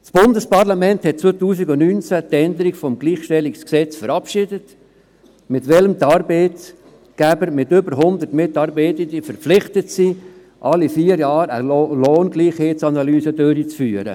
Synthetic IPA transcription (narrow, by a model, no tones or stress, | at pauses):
sb̥ʊnd̪əspɑɾlɑmɛnthɛt̚t͡sʋoːt̪uːsiɡʊnnyːnt͡sæt̪ɛnd̪əɾiɡfɔmɡliːχʃtɛliksksɛt͡sfəɾɑpʃɪdət | mɪtʋɛləmt̪ɑːɾbeɪt | ɡ̥æbəɾmɪt̪ʏbəɾɦʊnd̪ətmɪtɑɾbeɪt̪əd̪ifəɾpflɪχtətsi | ʔɑlːifiːəɾjɑːɾə̰loːnɡliːχheːtt͡sɑnɑlyːsədøɾit͡sfyːəɾə̰